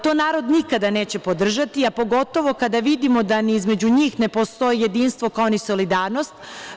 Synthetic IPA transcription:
t̪o̞naːɾo̞d̪nikad̪ane̞ːt͡ɕe̞po̞d̪r̩ʒat̪iapo̞ɡo̞t̪o̞ʋo̞kad̪aʋid̪imo̞d̪aniizme̞d͡ʑuɲiːxne̞po̞st̪o̞jije̞d̪iːnst̪ʋo̞kaoniso̞lid̪aːɾno̞st̪

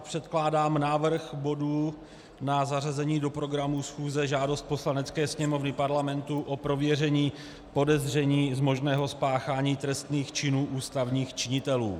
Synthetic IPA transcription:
pr̝̥ɛt̪klaːdaːmnaːvr̩xbo̞duː | nazarazɛɲiːdo̞pɾo̞ɡɾamusxuːzɛʒaːdo̞st̪̚po̞slanɛt͡skɛːsɲɛmo̞vnɪpaɾlamɛnt̪uʔo̞pɾo̞vjɛrɛɲiː | po̞dɛzr̝ɛɲiːzmo̞ʒnɛːɦo̞spaːxaːɲiːt̪ɾɛst̪niːxt͡ʃɪnuːʔuːst̪avɲiːxt͡ʃɪɲɪt̪ɛlṵː

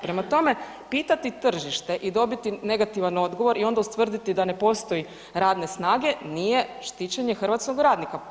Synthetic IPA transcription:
pɾe̞mat̪o̞me̞ | piːt̪at̪it̪r̩ʒiʃt̪e̞ʔid̪o̞bit̪ine̞ɡat̪iʋano̞d̪ɡo̞ʋo̞ɾʔio̞nd̪aust̪ʋr̩d̪it̪id̪ane̞po̞st̪o̞ji | ɾaːd̪ne̞snaːɡe̞nije̞ʃt̪it͡ɕeɲe̞xr̩ʋat̪sko̞ɡɾaːd̪nika

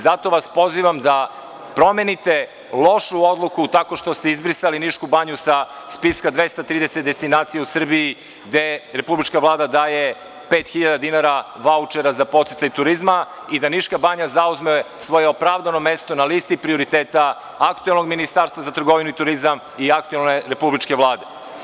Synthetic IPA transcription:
zat̪o̞ʋaspo̞ziʋamd̪a | pɾo̞menit̪e̞ | lˠo̞ʃuo̞d̪lˠukut̪ako̞ʃt̪o̞st̪eizbɾisaliniʃkubaɲusa | spiskad̪ʋe̞st̪at̪ɾiːd̪e̞set̪d̪est̪inaːt̪sijausr̩bii | ɡd̪e̞ɾepublit͡ʃkaʋlˠaːd̪ad̪aːje̞ | peːt̪xiʎad̪ad̪inaɾa | ʋaut͡ʃeɾazapo̞t̪set̪sajut̪uɾizma | id̪aniʃkabaɲazauzmesʋo̞jeo̞pɾavd̪ano̞me̞st̪o̞nalist̪ipɾio̞ɾit̪eːt̪a | akt̪uelno̞ɡminist̪aːɾst̪ʋazat̪r̩ɡo̞ʋinuit̪uɾizam | iak̚t̪uelneɾe̞publit͡ʃke̞ʋlˠaːd̪e̞

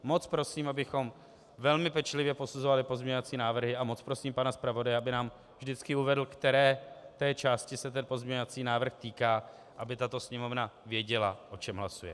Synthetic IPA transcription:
mo̞t͡spɾo̞siːmabɪxo̞m | vɛlmɪpɛt͡ʃlɪvjɛpo̞suzo̞valɪpo̞zmɲɛɲovat͡siːnaːvr̩ɦɪamo̞t͡spɾo̞siːmpanaspɾavo̞dajɛabɪnaːm | vʒdɪt͡skɪuvɛdl̩kt̪ɛɾɛːt̪ɛːt͡ʃaːscɪsɛt̪ɛnpo̞zmɲɛɲovat͡siːnaːvr̩xt̪iːkaː | ʔabɪt̪at̪o̞sɲɛmo̞vnavjɛɟɛlaʔo̞t͡ʃɛmɦlasujɛ̰

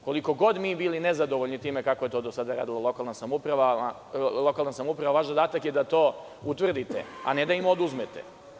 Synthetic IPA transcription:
ko̞liko̞ɡo̞d̪miːbilinezad̪o̞ʋoʎʲnit̪iːmekakojet̪o̞ːd̪osad̪aɾa̰ːd̪ilˠalˠo̞kalˠnasamupɾaʋaa | lˠo̞kalˠnasamoupɾaʋaʋaʃzod̪aːt̪akjed̪at̪o̞ː | ut̪ʋr̩d̪it̪ḛa̰ne̞d̪aimo̞d̪uzmet̪ḛ

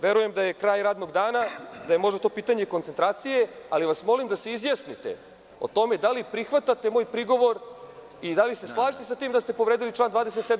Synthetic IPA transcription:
ʋe̞ɾuje̞md̪aje̞kɾaːjɾaːd̪no̞ɡd̪aːnad̪ajemoʒd̪at̪o̞ːpiːt̪aɲekont̪sent̪ɾaːt̪sije̞aliʋasmo̞limd̪aseizjasnit̪e̞̰ | o̞̰t̪o̞me̞d̪alipɾixʋat̪at̪e̞mo̞ːjpɾiɡo̞ʋo̞ɾ | id̪alise̞slˠaːʒit̪esat̪iːmd̪ast̪e̞po̞ʋɾed̪ilit͡ʃlaːnd̪vaːd̪ese̞t̪sed̪

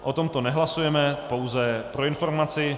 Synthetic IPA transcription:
ʔot̪o̞mt̪o̞nɛɦlasujɛmɛpo̞wzɛpɾo̞ɪnfo̞ɾmat͡sɪ

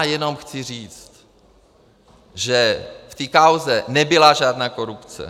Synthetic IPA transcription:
jɛno̞mxt͡sɪriːt͡st̪ | ʒɛft̪iːkawzɛnɛbɪlaʒaːdnaːkoɾupt͡sɛ̰

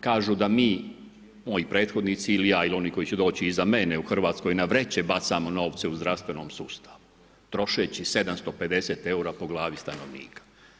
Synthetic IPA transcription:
kaːʒud̪amiː | mo̞jipɾe̞ːt̪xo̞d̪nit̪siːlijaːilio̞niːko̞jit͡ɕed̪o̞ːt͡ɕiizame̞neuxr̩ʋaːt̪skojnaʋɾet͡ɕebat̪samono̞ːʋt̪se̞uzd̪ɾafst̪vʋe̞no̞ːmsuːst̪ʰḁʋu | t̪ɾo̞ʃet͡ɕise̞d̪amst̪ope̞d̪e̞set̪e̞uɾapo̞ɡlˠaːʋist̪ano̞ʋnḭːkḁ

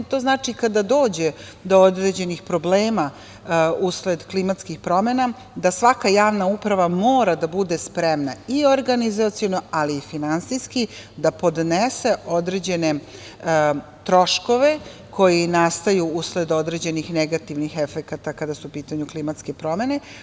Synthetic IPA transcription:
t̪o̞znaːt͡ʂikad̪ad̪o̞ːd͡ʑed̪o̞od̪ɾed͡ʑe̞nixpɾo̞bleːma | usled̪klimat̪skixpɾo̞mena | d̪asʋakajaːʋnaupɾaʋamoːɾad̪abud̪espɾemnaioɾɡanizat̪sijono̞aliːfinansijskid̪apo̞d̪nese̞ʔo̞d̪ɾed͡ʑe̞ne̞ | t̪ɾo̞ʃko̞ʋe̞ko̞jinast̪ajuusled̪o̞d̪ɾe̞d͡ʑe̞nixneɡat̪iʋnixefekat̪akad̪asuupiːt̪aɲuklimat̪skepɾo̞me̞ne̞

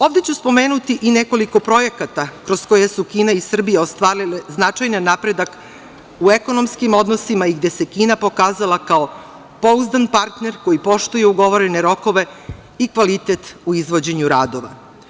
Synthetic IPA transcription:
o̞ːʋd̪e̞t͡ɕuspo̞me̞ːnut̪iʔine̞ko̞liko̞pɾo̞je̞kat̪akɾo̞sko̞jesukiːnaisr̩bijaost̪ʋaːɾileznat͡ʂajnanːapɾed̪ak | ueko̞no̞mskimo̞d̪no̞simaiɡd̪e̞se̞kiːnapo̞kaːzalˠakao | po̞uzd̪anpaɾt̪ne̞ɾko̞jipo̞ʃt̪uje̞uɡo̞ʋo̞ɾene̞ɾo̞ko̞ʋe̞ | ikʋalit̪et̪uizʋo̞d͡ʑe̞ɲuɾaːd̪o̞ʋa̰

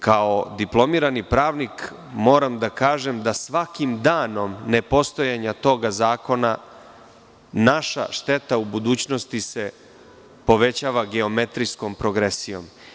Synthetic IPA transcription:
kaod̪iplˠo̞miːɾanipɾaːʋnik | mo̞ːɾamd̪akaːʒe̞md̪asʋakimd̪aːno̞mne̞po̞st̪o̞jaɲat̪o̞ɡazaːko̞na | naʃa̰ʃt̪e̞t̪aubud̪uːt͡ɕno̞st̪ise̞ | po̞ʋe̞t͡ɕaːʋaɡeo̞me̞t̪ɾisko̞mpɾo̞ɡɾesijo̞̰m

